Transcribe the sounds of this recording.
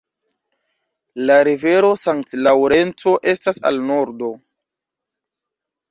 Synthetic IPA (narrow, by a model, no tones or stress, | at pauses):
laɾive̞ɾo̞saŋktlawɾe̞nt͡so̞ʔe̞stasa̰lno̞ɾdo̞